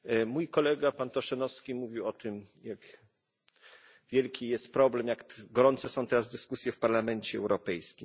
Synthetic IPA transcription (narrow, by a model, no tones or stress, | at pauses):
mujkɔlɛɡapant̪ɔʂɛnɔfskʲimuvʲiwɔt̪ɘmjak | vʲjɛlkʲijɛst̪̚pɾɔblɛmjakɡɔɾɔnt̪sɛsɔ̃w̃t̪ɛɾazd̪ɘskusʲjɛfpaɾlamɛnt͡ɕɛɛwɾɔpɛjskʲim